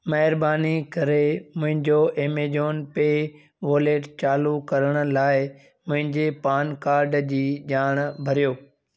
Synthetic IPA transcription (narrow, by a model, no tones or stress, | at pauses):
mɐɦɪɾbaːnikɐɾemʊ̃ɦɪ̃ɲd͡ʑoʔeːmeːd͡ʑoːnpeː | ʋoːleːʈt͡ɕaːlukɐɾəɽ̃ə̆laːɪ | mʊ̃ɦɪ̃ɲd͡ʑepaːnkaːɾɖd͡ʑiːʄaːɽ̃bʱɐɾijoː